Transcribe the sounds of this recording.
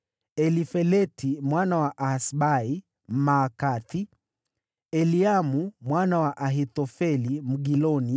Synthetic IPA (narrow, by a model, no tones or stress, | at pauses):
ɛlifɛlɛtimwanawaʔasɓai | m̩maːkati | ɛliamumwanawaʔaɦit̪ɔfɛlim̩ɡilɔni